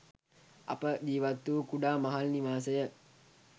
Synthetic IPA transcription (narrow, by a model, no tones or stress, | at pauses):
ɐ̰pəd̪iːʋat̪ːuːkuɖaːmɐɦalniʋaːsəjə